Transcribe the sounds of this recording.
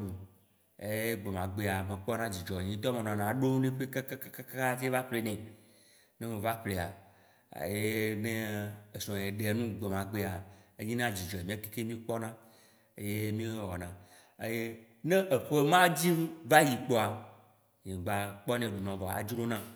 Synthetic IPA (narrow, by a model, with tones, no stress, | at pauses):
ɖu˨ | e˦ɡ͡be˨mã˨ɡ͡be˦a˨mẽ˨k͡pɔ˦nã˦d͡ʑi˨d͡ʒɔ˨ɲĩ˦t̪ɔ˦mẽ˨nã˨nã˨ɖo˦nẽ˦ɸe˦ka˦ka˦ka˦ka˦ka˦ka˦te˦va˦ɸle˨nɛ̃˨ | nẽ˦mẽ˨va˦ɸle˨a̰˨ | je˦nẽ˦e˨sɔ̃˨je˨ɖe˨nũ˦ɡ͡be˨mã˨ɡ͡be˦a˨e˦ɲĩ˦nã˦d͡ʑi˨d͡ʒɔ˨e˨mĩ˦a˦t̪i̥˦ke˦mĩ˦k͡pɔ˦nã˦ | e˦je˦mĩ˦ɦɔ˨nã˨ | ḛ˦je˦ | nẽ˦ʔe˨ɸe˦mã˦d͡ʑi˦m˦va˦ji˨k͡pɔ˦a˨ | ɲĩ˨ɡ͡ba˨k͡pɔ˦nẽ˨ɖu˨nɔ̃˨vɔ˨a̰˨d͡ʒɾo˦nã˦